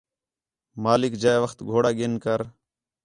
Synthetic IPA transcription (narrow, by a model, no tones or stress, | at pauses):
maːlɪkd͡ʒaːeʋəxt̪ɡʱoːɽaːɠenkəɾ